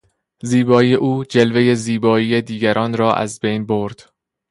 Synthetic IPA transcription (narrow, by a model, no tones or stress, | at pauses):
ziːbɒːiːeʔuːd͡ʒe̞lve̞je̞ziːbɒːiːed̪iːɡæɾʔɒːnɾɒːʔæ̰zbejnboɾd̪̥